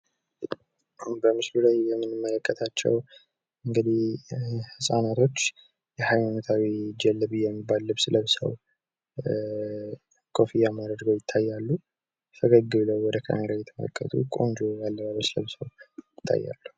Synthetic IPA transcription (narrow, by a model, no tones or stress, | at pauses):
bəmɨslulajjɛmːɨnɨmːələkʼːət̪ʰat͡ʃːɛ̰w | ɨŋɡɨd̪ihhɨsʼanat̪ʰo̞t͡ʃː | jɛhajmanət̪ʰawid͡ʒɛlːɨβɨjɛmːibːalːɨβsɨləβsə̰w | kʰo̞fijamaɾəd̪ɡəwjɪt̪ʰːajːalːu | fʰəɡəɡːɨβləwwɔd̪əkʰa̰meɾajɛt̪ʰəmə̰ləkʼːə̰t̪ʰṵkʼo̞̰nd͡ʒojalːəβaβəsɨlə̰βsəwjɪt̪ʰːa̰jːa̰lːəh